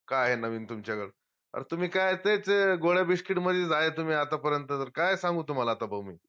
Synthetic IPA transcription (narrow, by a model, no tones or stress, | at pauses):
kaɦenəʋiːnt̪umt͡ɕjakəɽ | ə̰ɾt̪um̤iːkat̪et͡seɡoɽjabiʂkiʈməd̪ʱjed͡zaet̪um̤iːat̪apəɾjənt̪ət̪əɾkajsãŋɡuːt̪um̤alaːt̪abʱəmiː